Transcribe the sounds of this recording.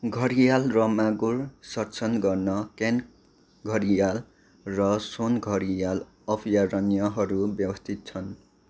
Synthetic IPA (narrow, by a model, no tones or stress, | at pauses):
ɡʱʌɾijalrʌmaɡursʌrt͡sʰʌnɡʌrnʌken | ɡʱʌɾijal | rʌsonɡʱʌɾijal | ʌpʰijaɾʌnijʌɦʌɾubjʌbʌst̪ʰit̪̚t͡sʰʌn